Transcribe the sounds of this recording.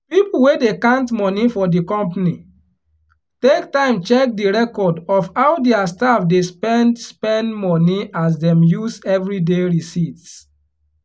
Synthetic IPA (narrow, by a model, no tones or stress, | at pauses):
pipl̩wedekãntmɔnifɔdikɔ̃mpni | tektãɪ̃mt͡ʃɛk̚diɹɛkɔdɔfhaʊdeastafdespɛ̃ndspɛ̃ndmɔniʔas̬dɛ̃mjusɛvɹideɹisits